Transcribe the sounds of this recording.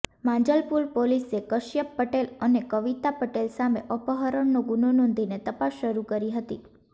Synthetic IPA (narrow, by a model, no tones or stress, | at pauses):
mãɲd͡ʒəlpuɾpolisekəʃjəpːəʈelənekəʋit̪apəʈelsameʔəpəɦəɾəɳnoɡunonɔ̃nd̪ʱinet̪əpasːəɾukəɾiɦət̪ḭ